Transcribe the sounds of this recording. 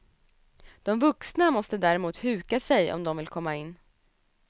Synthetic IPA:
d̪̥ɔmvɵksnamɔst̪əd̪æɾɛmuːt̪hʉ̟ːkasɛjɔ̰md̪ɔmvɪlkʰɔmːaɪnː

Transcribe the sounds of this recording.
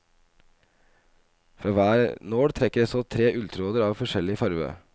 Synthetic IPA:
fɾɑːʋæːɾnoːɽt̪ʰɾɛkːəɖɛsɔt̪ʰɾeːʔʉlt̪ʰɾoːd̪əɾɑːʋfɔʂɛlɪfɑɾʋø̰ː

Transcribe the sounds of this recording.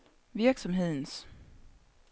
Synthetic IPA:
vɪɾksɔmɦeːns

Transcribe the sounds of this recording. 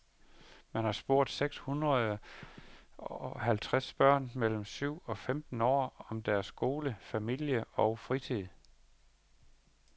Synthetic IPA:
mænhɑ̈sb̥o̝ɐ̰d̥seɡ̥shunʁɐðˠ | ɒɦælt͡sʰʁasb̥ɶɐ̰nmel̰m̩syʊ̰ɒ̽femd̥n̩ɒ̰ːɒ̽md̥æɐsɡ̥o̝ːləfæmil̰jəɒ̽ʊfʁit͡sʰið̰ˠ

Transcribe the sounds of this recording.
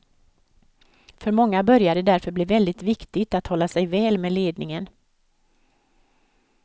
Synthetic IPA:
fœɾmɔŋːabœɾjad̪ɛd̪æɾfœɾblɪːvɛld̪ɪt̪vɪkt̪ɪɡt̪at̪hɔlːasɛjvɛːlmeleːd̪nɪŋən

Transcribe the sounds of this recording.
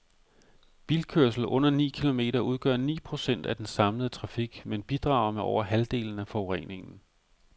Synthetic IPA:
b̥ilkʰøɐs̬l̩ʔɔ̽n̰ɐnḭːkʰilo̝me̝̰ːɾɐuð̞ˠɡ̥ɶɐnḭːpʰʁo̝sen̰d̥æd̥ensɑ̈mləð̞̩ˠət͡sʰʁɑ̈fiɡ̥menb̥id̥ʁɑ̈ʊ̰ɐmeɒʊ̰ɐɦæld̥e̝̰ːln̩æfɒʊʁɛ̰ne̝ŋn̩

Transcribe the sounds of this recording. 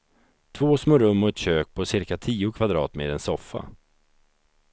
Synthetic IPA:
t̪ʰvoːsmoːɾɵmːɔɛt̪ɕøːk̚pʰɔsɪɾkat̪ʰiːʊkʰvad̪ɾɑːt̪meːd̪ɛnsɔfːa̰

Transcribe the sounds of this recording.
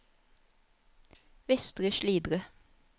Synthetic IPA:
ʋɛst̪ʁəʃliːd̪ʁə

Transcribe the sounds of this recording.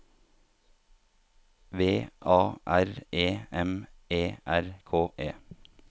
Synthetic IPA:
ʋeːʔɑːʔæɾeːɛmeːʔæɾkʰoːʔeː

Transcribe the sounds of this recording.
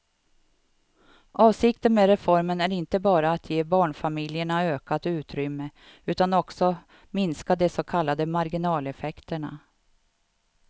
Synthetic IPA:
ʔɑːvsɪkt̪ənmeːɾɛfɔɾmənæɾɪnt̪əbɑːɾaːt̪ʰjeːbɑːɳfamɪljəɳaøːkat̪ʉ̟ːt̪ɾʏmːə | ʉ̟ːt̪anɔksɔ | mɪnskad̪ɛsɔkʰalːad̪əmaɾɡɪnɑːlɛfɛkt̪əɳa̰

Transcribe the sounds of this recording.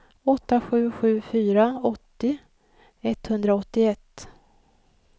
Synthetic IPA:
ɔt̪ːaɧʉ̟ːɧʉ̟ːfyːɾaɔt̪ːɪ | ɛt̪hɵnd̪ɾaɔt̪ːɪɛt̪ː

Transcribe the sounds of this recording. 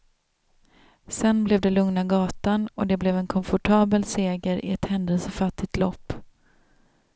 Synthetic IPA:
sɛnblɛvd̪ɛlɵŋnaɡɑːt̪anɔd̪ɛblɛvɛnkʰɔnfɔʈʰɑːbəlseːɡəɾʔɪ̰ɛt̪hɛnd̪əlsɔfat̪ːɪt̪lɔpː

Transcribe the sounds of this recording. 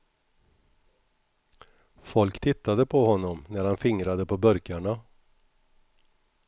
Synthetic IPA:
fɔlkt̪ʰɪt̪ːad̪əpʰɔɦɔnːɔmnæɾhanfɪŋɾad̪əpʰɔbœɾkaɳa

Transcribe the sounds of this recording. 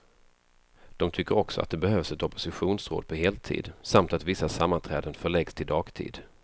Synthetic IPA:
d̪̥ɔmt̪ʰʏkːəɾɔksɔ̰a̰t̪̚d̪ɛbɛhœːvsɛt̪ɔpʊ̥sɪɧuːnsɾo̰ːd̪̚pʰɔɦeːlt̪ʰḭːd̪samt̪at̪vɪsːasamːant̪ʰɾɛ̰ːd̪ənfœɭɛɡst̪ʰɪld̪ɑːɡt̪ʰḭːd̪

